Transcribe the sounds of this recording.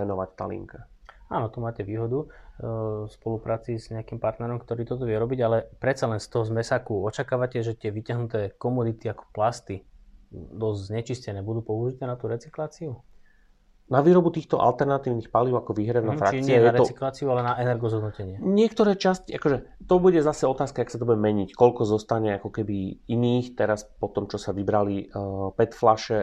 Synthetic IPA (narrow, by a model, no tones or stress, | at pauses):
ɛnɔʋact̪a̰ːlḭŋka | aːnɔt̪umaːcɛʋiːɦɔd̪u | fspɔlupɾʔaːt͡siːzɲɛakimpaɾt̪nɛɾɔmkt̪ɔɾiːt̪ɔt̪̬ɔʋɪɛɾɔbiɟalɛpɾɛt̪t͡salɛnst̪ɔɦɔzmɛsaːkuɔt͡ʃakaːʋacɛʒɛt̪ɪɛʋicaɦnut̪ɛːkɔmud̪it̪iakɔ̥plast̪i | d̪ɔzzɲɛt͡ʃiscɛnɛːbud̪uːpɔuʒit̪ɛːnat̪uːɾɛt͡siklaːt͡siu | naʋiːɾɔbut̪iːxt̪ɔʔa̰lt̪ɛɾnat̪iːʊnixpaliʊakɔʋiːɦɾɛnafɾa̰kt͡sɲiɛjɛaɾɛɔt͡siklaːt͡siualɛnaʔɛnɛɾɡɔzɦɔd̪nɔcɛɲɪɛɲɪɛk̚t̪ɔɾɛːt͡ʃasciʔakɔʒɛt̪ɔbuɟɛzasɛɔt̪aːskaaksat̪ɔbuɟɛmɛɲickɔʎkɔzɔst̪aɲɛakɔkɛbiiniːxt̪ɛɾaspɔt̪ɔmt͡ʃɔsaʋibɾalipɛt̪flaʃɛ